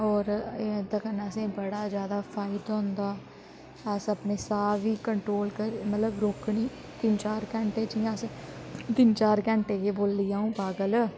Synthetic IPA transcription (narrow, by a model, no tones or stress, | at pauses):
ɔːɾd̪əkənaəsẽːbəɽaːd͡ʒjaːd̪aːpʰaːɪd̪õːnd̪aː | əsəpneːsaːʋiːkəɳʈɾoːlkəɾmət̪ləbɾoːkɳiː | t̪ɪnt͡ʃaːɾkɛ̃ːɳʈeːd͡ʒiːãːst̪ɪnt͡ʃaːɾkɛ̃ːɳʈeːkeːboːlːijaːũːpaːɡəl